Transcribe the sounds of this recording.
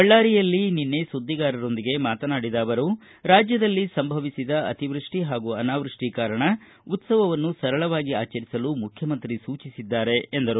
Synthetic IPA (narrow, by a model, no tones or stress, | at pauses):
bɐɭːaːɾijɐlːininːe̞sud̪ːiɡaːɾɐɾo̞nd̪iɡe̞maːt̪ɐnaːɽid̪aːʋɐɾu | ɾaːd͡ʒjɐd̪ɐlːisɐmbʱɐʋisid̪ɐɐ̰t̪iʋɾuʂʈiɦaːɡuɐnaːʋɾuʂʈikaːɾɐɳɐ | ut̪sɐʋɐʋɐnːusɐɾɐɭɐʋaːɡiaːt͡ʃɐɾisɐlumukʰjɐmɐnt̪ɾisuːt͡ʃisid̪ːaːɾeend̪ɐɾu